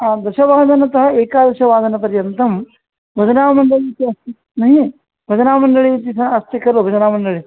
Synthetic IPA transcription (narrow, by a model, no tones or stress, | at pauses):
aːd̪ɐʃɐʋaːd̪ɐnɐt̪ɐɦɐ̆eːkaːd̪ɐʃɐʋaːd̪ɐnɐpɐɾjɐnt̪ɐm | bʱɐd͡ʒɐnaːʋmɐɳɖɐɭit̪iɐst̪i | nɐɦi | bʱɐd͡ʒɐnaːmɐɳɖɐɭit̪isɐɐst̪ikɐlobʱɐd͡ʒɐnaːmɐɳɖɐɭi